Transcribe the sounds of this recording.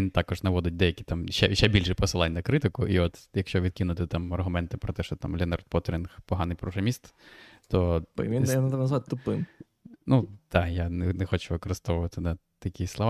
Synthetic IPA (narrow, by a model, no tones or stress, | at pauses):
int̪ɑkɔʒnɐʋɔd̪ɪt̚ʲd̪ɛjɐkʲi̥t̪ɑmʃɛʃɛbʲilʲʃɛpɔsɨlˠɑnʲnɐkɾɪt̪ɪkʊʔiɔt̪jɐkʃt͡ʃɔʋʲid̪̚kʲinʊt̪ɪt̪ɑmɐrɦʊmɛnt̪ɪpɾɔt̪ɛʃt͡ʃɔt̪ɑ̰mlʲɛnɐrt̪̚pɔt̪ɾʲinxpɔɦɑnɪjpɾɔɦɾɐmʲist̪t̪ɔʋʲijɐnɐt̪ɛmnɐzʋat̪ʲt̪ʊpɪm | nud̪̥ɑjanenɛxɔt͡ʃʊʋɪkɔɾɪst̪ɔʋʊʋɐt̪ɪnɐ | t̪ɐkʲislˠɔʋ